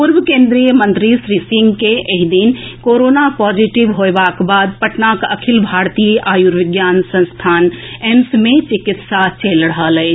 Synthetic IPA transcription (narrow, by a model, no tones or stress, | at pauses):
puɾbəkẽːnd̪ɾijəmə̃nt̪ɾisɾisɪ̃ŋɡkeʔeɦd̪inkoɾoːnapɔːd͡ʒiʈɪʋɦoebakbaːd̪̚pəʈnakəkʰɪlbʱaːɾt̪iʔaːjuɾʋɪɡjaːnsə̃nst̪ʰaːnemsmẽt͡ʃɪkɪt̪sat͡ʃelɽəɦəlɛː